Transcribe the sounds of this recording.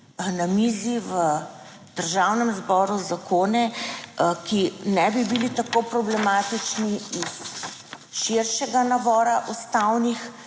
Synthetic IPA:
namiːziʋə | d̪̥əɾʒawnɛmzbɔːɾuzakoːnɛ | kinɛbibilit̪akoːpɾɔblɛmaːt̪it͡ʃniis | ʃiɾʃɛɡanabɔːɾaʔust̪awnix

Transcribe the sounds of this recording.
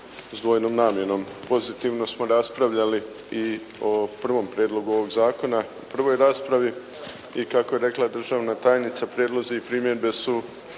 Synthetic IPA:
zd̪ʋo̞ːjnomnaːmje̞no̞mpo̞zit̪iʋno̞smo̞ɾaspɾaʋʎali | i | opr̩ʋo̞mpɾʲjeːd̪lˠo̞ɡuo̞ʋo̞ɡzaːko̞naupr̩ʋo̞jɾaːspɾaʋi | ikakoje̞ɾe̞klˠad̪r̩ʒaːʋnat̪aːjnit̪sapɾjeːd̪lˠo̞ziːpɾiːmjed̪be̞su

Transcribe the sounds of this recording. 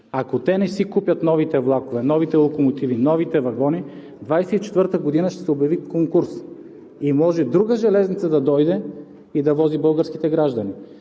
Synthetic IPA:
akot̪ɛnɛsikupjɐt̪nɔvit̪ɛvlˠakovɛnɔvit̪ɛlˠokomot̪ivinɔvit̪ɛvɐɡɔni | d̪vajsɛit͡ʃɛ̥t̪vəɾt̪əɡod̪inəʃt̪ɛ̥sɛobjɐvikoŋkuɾs | imɔʒɛd̪ɾuɡəʒɛlɛznit̪səd̪ɐd̪ɔjd̪ɛ | id̪ɐvɔzibɤlˠɡəɾski̥t̪ɛɡɾaʒd̪ɐni

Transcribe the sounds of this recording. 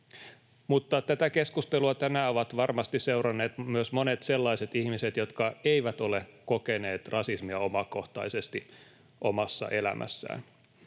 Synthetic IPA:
mut̪ːɑt̪æt̪ækeskust̪eluɑt̪ænæoʋɑt̪ʋɑrmɑst̪issewrɑnːeːt̪myøsmonet̪selːɑiset̪ihmiset̪jo̞t̪kɑeiʋæt̪olekokeneːt̪rʔɑsismiɑomɑko̞ht̪ɑ̰isest̪i | ʔomɑsːɑ̰ʔe̞læ̰mʔæ̰sːæ̰ːn

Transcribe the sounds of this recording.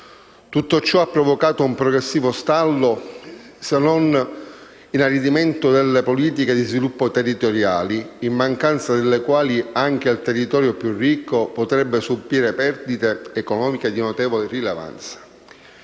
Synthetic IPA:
t̪ut̪ːot͡ʃːɔapːɾɔvokaːt̪oumpɾɔɡɾesːiːvost̪alːo | senːon | inarid̪iment̪ʊd̪elːepoliːt̪̬iked̪izvilupːot̪erːit̪oɾjaːliimːaŋkant̪sad̪elːekwaːliaŋk̟eilt̪erːit̪ɔːɾjopjurːikːopot̪ɾɛbːesubːiːɾepɛrd̪it̪eːkɔnɔːmiked̪inot̪ɛːvolerileva̰nt̪sḁ

